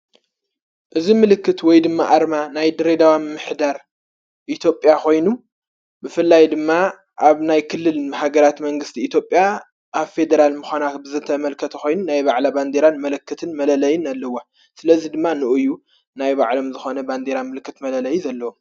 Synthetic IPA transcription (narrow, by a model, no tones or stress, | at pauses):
ʔɨzimɨlɨkːɨt̪wɔjd̪ɨmːa̰ʔaɾmanajd̪ɨɾed̪awamɨmːɨħd̪aɾ | ʔit̪ʰjo̞pʼːjako̞jnu | bɨfɨlːajd̪ɨmːa | ʔaβnajkʰɨlːɨlhaɡɐɾat̪mɐŋɡɨst̪ʰiːt̪ʰjopʼja | ʔaβfe̞d̪ɐɾalmɨxʷanabɨzɨt̪ʰɐmɐlkʰɐt̪ʰɐxo̞jnunajβaʕlaband̪eɾanmɐlɨkːɨt̪ʰɨnmɐlɐlɐjɪnalːɐwo | sɨlɐzid̪ɨmːanɨʔɨjːu | najba̰ʕlo̞mzɨxonɐband̪eɾamɨlɨkːɨt̪mɐlɐlɐjuzɐlːɐwo